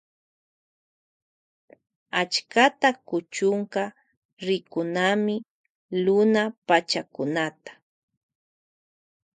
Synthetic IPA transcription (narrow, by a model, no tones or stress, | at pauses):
at͡ʃkat̪akʊt͡ʃʊŋka | ɾɪkʊnamɪ | lʊnapat͡ʃakʊnat̪ḁ